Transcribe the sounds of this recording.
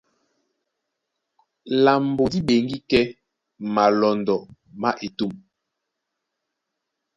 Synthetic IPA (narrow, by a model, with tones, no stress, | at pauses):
la˨mbo˨di˦ɓe˨ŋɡi˦kɛ˦ | ma˨lɔ˨ndɔ˨ | ma˦ʔe˨tu˦˨m